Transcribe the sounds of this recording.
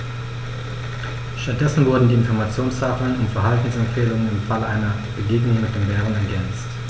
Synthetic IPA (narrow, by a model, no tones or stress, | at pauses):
ʃtat̚d̥ɛsn̩vʊɐdn̩diːɪnfɔɐmat͡sjoːnshaːflənʊntfɛɐɦaltn̩sɛmfeːlʊŋənɪmfaləʔaɪnɐ | b̥əɡeːɡnʊŋmɪt̚d̥eːmvɛːʁənɛɐɡɛnt͡st